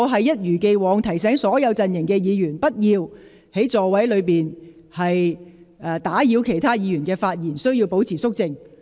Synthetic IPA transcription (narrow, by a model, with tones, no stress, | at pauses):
ɔ˨˧ɦɐ˨jːɐ˥t̚jyː˨˩ke˧jwɔː˨˧ŋt̪ʰɐ˨˩js̬ɛː˨˥ŋsɔː˨˥jɐ˨˧wt͡sɐ˨njɪ˨˩ŋkɛː˧jiː˨˧jyː˨˩npɐ˥t̚jiː˧w | he˨˥jt͡sɔː˨wɐ˨˥jlɵ˨˧ɥpiː˨n | hɐ˨j | ʔɛː˨˧t̪aː˨˥jiː˨˧wkʰe˨˩jt̪ʰaː˥jiː˨˧jyː˨˩nkɛː˧faː˧t̚jiː˨˩nsɵ˥ɥji˧wpo˨˥wt͡sʰiː˨˩sʊ˥k̚t͡sɪ˧ŋ